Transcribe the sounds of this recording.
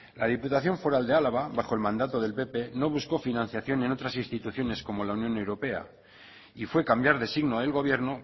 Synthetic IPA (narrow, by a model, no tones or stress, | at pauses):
laðiput̪aθjo̞ɱfo̞ɾald̪ealaβ̞aβaχxo̞e̞lmãnd̪at̪oð̞e̞lpe̞pe̞no̞β̞usko̞finãn̟θjaθjo̞ne̞no̞t̪ɾasinst̪it̪uθjone̞sko̞mo̞launjõ̞ne̞wɾo̞pe̞a̰ | ifwe̞kambjaɾðe̞siɣnoðe̞lɣ̞o̞β̞je̞ɾno̞